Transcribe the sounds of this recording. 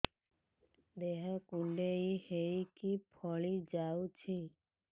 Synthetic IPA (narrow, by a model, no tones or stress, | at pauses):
d̪eɦakuɳɖeihejkipʰɔɭid͡ʒawt͡ʃʰi